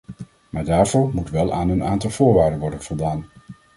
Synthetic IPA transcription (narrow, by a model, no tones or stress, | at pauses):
maːɹdaːɹvʊːɹmutʋɛlˠaːnənaːntɑlˠvʊːɹʋaːɹdənʋɔɹdənvɔlˠdaːn